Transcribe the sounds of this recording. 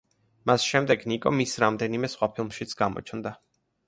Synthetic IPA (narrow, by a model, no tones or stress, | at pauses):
masʃɛmd̪ɛɡnikʼɔmisɾamd̪ɛnimɛsχwapʰilˠmʃit̪sʰɡ̥amɔ̰t͡ʃʰnd̪a